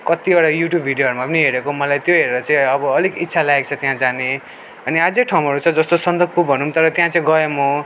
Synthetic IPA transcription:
kʌt̪ioɽajuʈjubʱiɖjoɦʌɾumapʌniɦeɾekomʌlajt̪joɦeɾeɾʌt͡saĩʌbʌːlikit̪ːsʰalaek̚t͡sʰʌt̪jãd͡zani | ʌniad͡zek̚ʈʰawmɦʌɾut͡sʰʌd͡zʌst̪osʌnd̪ʌɡ̚pupʌnumt̪ʌɾʌt̪jãt͡sãĩɡʌjemo

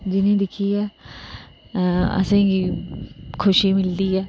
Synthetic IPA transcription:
d͡ʒɪnẽd̪ɪkʰiɛː | ɐ̰sẽki | kʰʊʃimɪld̪iɛː

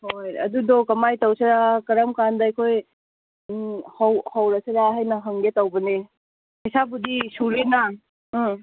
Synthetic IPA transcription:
hojɐ̰dudɔkɐmajtɐwsɐɾakɐɾɐmkandɐɐjkʰoj | hawhawɾɐsɐɾaɦajnɐɦɐŋɡetɐwbɐne | hijsabudisuɾinɐ

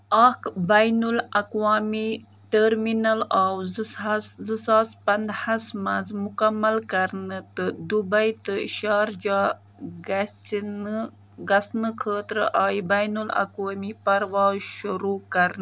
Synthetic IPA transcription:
akbajnulɐkwaːmi | ʈəɾminalawzzɨsaːspɐnd̪hasmazmukamːalkɐɾnət̪ɨd̪ubajt̪ɨʃaːɾd͡ʒa | ɡsn | ɡɐsnɨkʰəːt̪ɾʔaːjibajnula̰kwaːmipɐɾwɑːzʃuɾukɐɾn

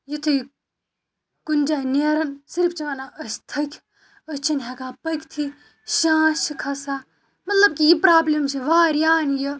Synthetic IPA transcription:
jit̪ʰɨj | kund͡ʒaːneːɾɐnsiɾpʰt͡ʃiʋanaːɐst̪ʰɐkʲʰ | ɐst͡ʃʰɐnɦɐkaːpɐkʲt̪ʰi | ʃãːʃikʰɐsaː | mɐt̪lɐb̚kijipɾaːblɐmt͡ʃʰiʋaːɾjaːnjo

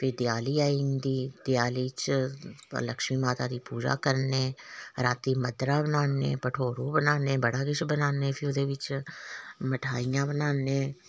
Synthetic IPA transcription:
pʰɪd̪ɪjaːliːaːind̪iːd̪ɪjaːliːt͡ʃ | ləkʃmiːmaːt̪aːd̪iːpuːd͡ʒa̰ːkəɾneːɾaːt̪iːməd̪ɾaːbənaːnḛːpəʈʰoːɾuːbənaːneːbəɽaːɡɪt͡ʃbənaːneːpʰɪʊd̪eːʋɪt͡ʃ | məʈʰaːijãːbənaːneː

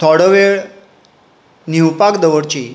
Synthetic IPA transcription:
t̪ʰɔɽəʋeɭ | niwpakd̪əʋəɽt͡ɕi

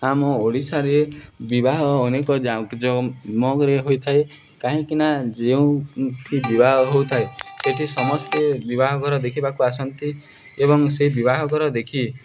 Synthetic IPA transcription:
amɔoɽisaɾebibaɦɔːnekɔd͡ʒad͡ʒɔmɔɡɾeɦojt̪ʰae | kaɦĩkinad͡ʒeũʈʰibibaɦɔɦowt̪ʰaeseʈʰisɔmɔst̪ebibaɦɔɡʱɔɾɔd̪ekʰibakuasɔnt̪i | ebɔŋseɦibiβaɦɔɡɔɾɔd̪ekʰi

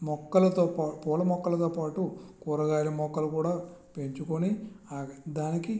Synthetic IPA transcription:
mɔkːɐlɐt̪oːpaːpɔːlɐmɔkːɐlɐt̪oːpaːʈukuːɾɐɡaːɾimɔkːɐlukuːɽaːpe̞ɲt͡ʃukoniaɡɐd̪aːniki

